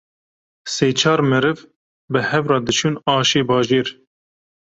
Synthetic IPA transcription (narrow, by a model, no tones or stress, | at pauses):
seːt͡ʃʰɑːɾmɛɾɨv | bɨhɛvrɑːd̪ɨt͡ʃʰuːnɑːʃeːbɑːʒeːɾ